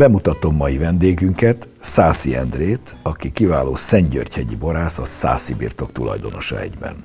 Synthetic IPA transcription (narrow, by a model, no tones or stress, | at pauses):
bɛmut̪ɒt̪o̞mːɒjivɛnd̪eːɡyŋkɛt̪ | saːsiɛ̰nd̪reːt̪ | ɒkikivaːloːsɛɲɟø̰rchɛɟḭbo̞ɾaːsɒsa̰ːsibḭrt̪o̞kt̪ulɒ̰jd̪o̞no̞ʃɒ̰ɛ̰ɟbɛ̰n